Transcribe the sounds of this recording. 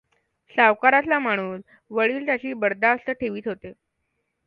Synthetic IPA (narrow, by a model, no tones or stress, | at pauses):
saʋkaɾat̪lam̤aɽ̃uːs | ʋəɭiːlt̪jat͡ɕiːbəɽd̪aəst̪əʈʰeʋiːt̪ɦot̪e